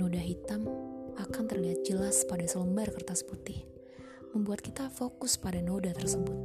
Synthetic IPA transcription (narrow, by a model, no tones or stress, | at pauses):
odaɦit̪amakant̪ərliɦat̪̚d͡ʒəlaspadasələmbarkərt̪asə̥put̪ɪh | məmbuat̪̚kit̪afokʊspadanodat̪ərsəbʊt̪̚